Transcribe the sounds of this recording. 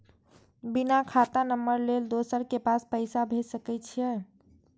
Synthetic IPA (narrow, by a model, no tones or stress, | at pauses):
binakʰat̪anəmːəɾleld̪osəɾkepaspəɪsabʱesəkɛt͡ʃʰijɛ